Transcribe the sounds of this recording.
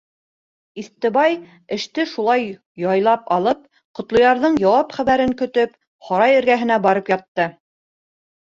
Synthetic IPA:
iθt̪ɘ̆βɑj | ɘ̆ʃt̪ɘʃulˠɑj | jɑjlˠɑpɑlˠɤp̚ | qŏt̪lˠŏjɑɾðɤɴjɑwɑpχæβæɾɘŋkɵ̆t̪ɵp | χɑɾɑjɘ̆ɾɡæɦɘ̆næbɑɾɤpjɑt̪ːɤ

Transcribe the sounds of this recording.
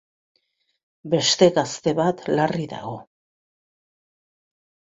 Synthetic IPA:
be̞st̪e̞ɣast̪e̞βat̪lariða̰ɣo̞

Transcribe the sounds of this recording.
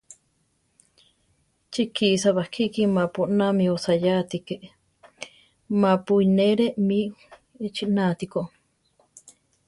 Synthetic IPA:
t͡ʃikisaβakʰikimapoʔnamĩosajat̪ikeʔ | mapuineɾeʔmi | t͡ʃiʔnat̪ikoʔ

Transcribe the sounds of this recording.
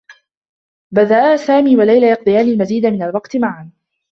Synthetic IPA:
baðaʔaːsaːmiːwalajlajɑq̚d̪ˤɨjaːnɪlmaziːd̪amɪnalwɑqt̪maʕan

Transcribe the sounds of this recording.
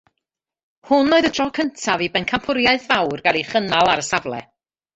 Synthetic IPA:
hʊnːoːɨðəd̥rɔkʰəntʰavibɛnkʰampʰʊɾjaɨθvawrɡalˠiχənalˠaɾəsavlˠɛ̰

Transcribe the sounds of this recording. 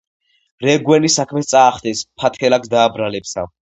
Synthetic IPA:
ɾɛɡwɛnisakʰmɛt̪sʼaːχt̪ʰɛspʰat̪ʰkʰɛlaksd̪aːbɾalɛpsa

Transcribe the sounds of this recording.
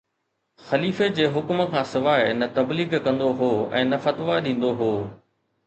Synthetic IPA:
xɐliːfed͡ʑeːɦʊkməkʰãːsɪʋaːnɐt̪ɐbliːɡkɐ̃nd̪oɦoːɛ̰̃ːnɐfɐt̪ʋaɗĩːn̆d̪oɦoː

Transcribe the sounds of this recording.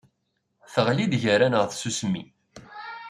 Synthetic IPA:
θəʁlid̪ʝəɾænəʁθsusmːḭ

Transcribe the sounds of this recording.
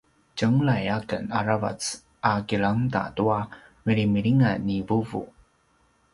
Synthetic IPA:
t͡ɕəŋlajakənaɾava̰t͡s | akilaŋda̰tuamiɾimiɾiŋanivuvṵ

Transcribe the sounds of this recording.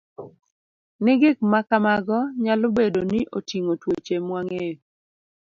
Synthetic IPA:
nɪɡɪk̚makamaɡɔɲalobedoniʔotiŋotwot͡ʃemwaŋe

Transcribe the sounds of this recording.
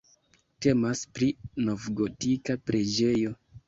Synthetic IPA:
te̞maspɾino̞vɡo̞tikapɾe̞d͡ʒe̞jo̞

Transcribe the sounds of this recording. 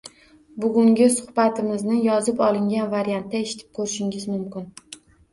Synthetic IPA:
bʊɡʲʊŋɡʲɪsʊhbat̪ʰɪmɪznɪjɒzɪpɒlɪŋɡʲanvaɾjant̪̚ːaeʃɪ̥t̪ʰɪ̥p̚kʰɵɾɪʃɪŋɪzmʊmkʲɪn

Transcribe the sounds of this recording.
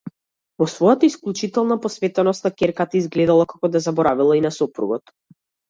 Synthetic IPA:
vɔsvɔjat̪aisklʲˠut͡ʃit̪ɛlˠnapɔsvɛt̪ɛnɔst̪nakɛɾkat̪aizɡlɛd̪alˠakakɔd̪azabɔɾavilˠainasɔpɾṵɡɔt̪

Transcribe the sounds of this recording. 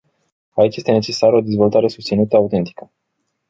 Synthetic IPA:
ait͡ʃje̞st̪e̞ne̞t͡ʃe̞saɾəod̪e̞zvo̞lt̪aɾe̞sust̪sinut̪əaut̪e̞nt̪i̥kə

